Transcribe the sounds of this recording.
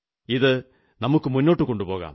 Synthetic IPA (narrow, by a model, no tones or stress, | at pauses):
iðɨ | nɐmukːɨmunːo̞ːʈːɨko̞ɳɖupo̞ːɣa̰ːm